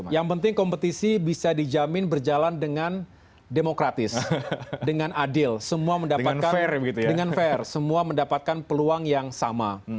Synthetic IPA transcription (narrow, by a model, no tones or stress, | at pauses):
jaŋpənt̪ɪŋkɔmpət̪isibisadid͡ʒamɪnbərd͡ʒalandəŋan | demokɾat̪ɪsdəŋanadɪlsəmuaməndapatankaɛrbəɡit̪ujdəŋanfɛrsəmuaməndapat̪̚kanpəluaŋjaŋsama